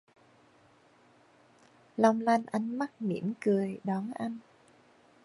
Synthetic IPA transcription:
la˨˩wŋ͡mla˧jnʔa˧jŋma˦˥k̚mḭ˧˥ənkɨ˨˩əjɗɔ˨˦nʔa˧jŋ̟

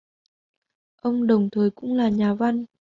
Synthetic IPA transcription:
ʔə˧wŋ͡mɗə˨˩wŋ͡mt̪ʰəː˨˩jkʊ̰˧˥ŋ͡mlaː˨˩ɲaː˨˩va˧n

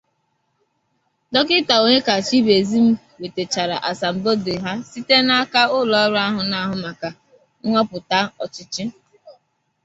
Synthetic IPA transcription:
dɔ˦kɪ˦ta˨o˨ɲe˦ka˨t͡ʃi˦be˨zi˦m̩˦ | we˨te˨t͡ʃa˨ɾa̰˨ʔa˨sa˨m̩˨bo˦de˨ɦa˦si˦te˦na˦a˦ka˦ʊ˦lɔ˨a˦ɾʊ˦a˦ɦʊ˨na˦ɦʊ˨ma˨ka˨ | ŋ̩˦ŋʷɔ˦pʊ˨ta˦ɔ˨t͡ʃɪ˦t͡ʃɪ˦

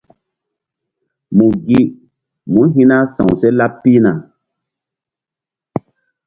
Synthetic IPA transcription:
mũ˨ɡi˦ | mũ˨˦ɦĩ˦na˦sã̰˨wse˦la˦pːi˦na˨

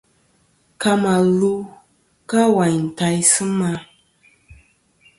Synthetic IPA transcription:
ka˦ma˨lu˦ | ka˦wa˨ɲ̩˨ta˨˦jsɨ˦ma˦

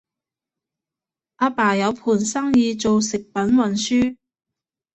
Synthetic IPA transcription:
ʔaː˧paː˨˩jɐ˨˧wpʰuː˨˩nsɐ˥ŋjiː˧t͡so˨wsɪ˨k̚pɐ˨˥nwɐ˨nsyː˥

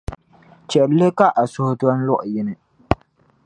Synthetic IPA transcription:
t͡ʃɛ˨ʔllɨ˦ka˦ʔa˨sʊ˦hʊ˦dɔ˦n̩˦lʊ˦˨ʔjɛ˦nɨ˨

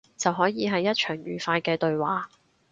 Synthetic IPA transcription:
t͡sɐ˨wɦɔː˨˥jiː˨˧ɦɐ˨jːɐ˥t̚t͡ʃʰœː˨˩ŋjyː˨˩faː˧jkɛː˧t̪ɵ˨ɥwaː˨˥

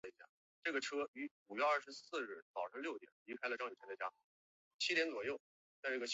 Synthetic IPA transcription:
i˧˥ɕja̰˥˩ | ʈ͡ʂɤ˥˩ɡə˩ʈ͡ʂʰɤ˥y˧˥u˨˩ɥɛ˧ɐ˥˩ʂɻ̩˧˥sɹ̩˥˧ɻɻ̩˥˩t͡sɑ˨˩ʊʂɤ˥ŋljʊt̪jɛ˨˩nli˧˥kʰa˥ɪlə˧ʈ͡ʂɑ˥˩ŋy˨˩ɛ˧˥ndə˧t͡ɕja̰˥˩ | t͡ɕʰi˥jɛ˧˥nt͡swɔ˨˩jo˥˩ʊ | t͡sa˥˧ɪʈ͡ʂɤ˥˩ɡə˩ɕ

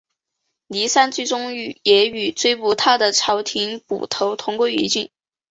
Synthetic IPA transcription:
li˧˥sa˥nt͡sy˥˧ʈ͡ʂʊ˥ŋy˥˩jɛ˧˥y˨˩t͡swe˥˧ɪpu˧˥t̪ʰa˥d̪ə˨ʈ͡ʂʰɑ˧˥ʊt̪ʰi˧˥ŋpṵ˨˩t̪ʰo˧˥ʊt̪ʰʊ˧˥ŋkwe˥ɪɛ̰˧˥t͡ɕi˥˩n

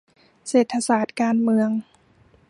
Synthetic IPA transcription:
seː˨˩t̪ʰːa˧saː˨˩t̪̚kaː˧nmɯ˧əŋ

